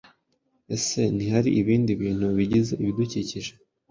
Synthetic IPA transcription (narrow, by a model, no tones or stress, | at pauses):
e̞se̞nihaɾḭʔiβiːndiβiːn̥huβiɟize̞ʔiβiduciciʒe